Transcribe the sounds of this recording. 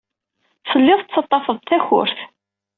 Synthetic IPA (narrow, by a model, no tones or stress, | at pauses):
səlːɪðˤt͡sːɑt̪ˤːɑfəðˤt̪æçʊ̰ɾθ